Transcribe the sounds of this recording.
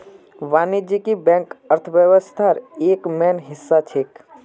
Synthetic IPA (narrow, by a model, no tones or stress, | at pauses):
ʋaːnid͡ʒikibɛ̃ːŋkəɾt̪ʰʋjəʋəst̪ʰaːɾeːkmɛːnɦɪsːat͡ʃʰek